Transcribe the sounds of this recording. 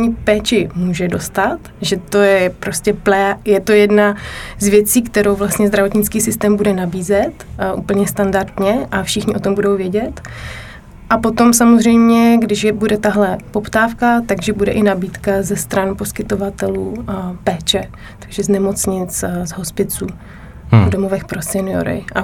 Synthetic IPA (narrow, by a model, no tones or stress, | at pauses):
ɲipɛːt͡ʃɪmuːʒɛdo̞st̪at̪ʒɛt̪o̞jɛpɾo̞scɛplɛjɛt̪o̞jɛdnazvjɛt͡siːkt̪ɛɾowvlast̪ɲɛzdɾavo̞t̪ɲɪt͡skiːsɪst̪ɛːmbudɛnabiːzɛt̪ʔṵːpl̩ɲɛst̪andaɾt̪ɲɛʔafʃɪxɲɪʔo̞t̪o̞mbudowvjɛɟɛt̪ | ʔapo̞t̪o̞msamozr̝ɛjmɲɛɡdɪʃjɛbudɛt̪aɦlɛpopt̪aːfkat̪aɡʒɛbudɛʔɪnabiːt̪kazɛst̪ɾanpo̞skɪt̪ovat̪ɛluːpɛːt͡ʃɛ | t̪aɡʒɛznɛmo̞t͡sɲɪt͡szɦo̞spɪt͡suː | vdomovɛxpɾosɛnɪjo̰ɾɪ̰ʔa